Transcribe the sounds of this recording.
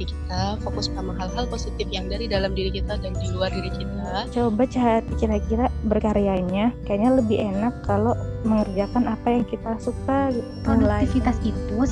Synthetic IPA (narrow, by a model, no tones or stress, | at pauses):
ikit̪afokʊspamaɦalɦalposit̪ɪfjaŋdaɾidalamdiɾikit̪adandiluardiɾit͡ʃit̪at͡ʃobat͡ʃat̪̚ikiɾakiɾabərkaɾiaɲakajaɲaləbɪɦenakːaloməŋərd͡ʒakanapajaŋkit̪asukaɡit̪ | odulaifit̪asit̪u